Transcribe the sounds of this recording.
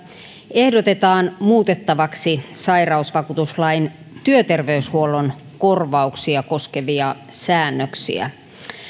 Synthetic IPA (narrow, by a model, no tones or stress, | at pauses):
e̞hdot̪e̞t̪ɑːnmuːt̪e̞t̪ːɑʋɑksisɑjrɑusʋɑkuːt̪uslɑin | t̪yøt̪e̞rʋeyshuolon | ko̞rʋɑuksiɑko̞skeʋiɑsæːnːøksḭæ̰